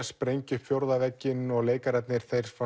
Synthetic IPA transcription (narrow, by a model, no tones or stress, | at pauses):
spɾejɲcʏfjowɾðavɛcːɪnɔɣleːjkaɾɛt̪nɪɾ̥θejɾ̥fa